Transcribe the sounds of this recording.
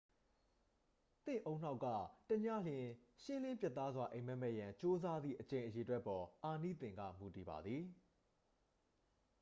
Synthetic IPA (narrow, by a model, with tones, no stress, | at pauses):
t̪ɪ̰̃˦˨ʔõ˦ʊ̃n̥a˦ʊkːa̰˦˨tə˨ɲa̰˦˨l̥jɪ̃˨ʃɪ̃˦l̥ɪ̃˦mpja˦t̪ːa˦zwa˨ʔẽ˨mɛ˦˨mɛ˦ʔjã˨t͡ɕo˦za˦d̪ðḭ˦˨ʔət͡ɕẽ˨ɪ̃ʔəje˨twɛ˦ʔpːɔ˨ʔa˨nḭ˦˨t̪ɪ̃˨ŋɡa̰˦˨mu˨ti˨ba̰˨d̪ði˨